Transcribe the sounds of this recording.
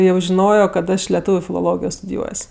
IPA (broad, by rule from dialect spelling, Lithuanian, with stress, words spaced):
jɛʊ ʒʲɪˈnoːjoː kɐt ˈɐʃ lʲɛˈtuːʋʲʊ fʲɪlˠoːˈlˠoːɡʲɪjoː stʊdʲɪˈjuɔsʲ